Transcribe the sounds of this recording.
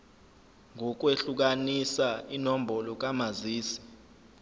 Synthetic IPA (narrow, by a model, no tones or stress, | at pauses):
ŋʱɔk̬weɬuk̬anisainom̩bʱɔlɔk̬ʼamaziːsi̥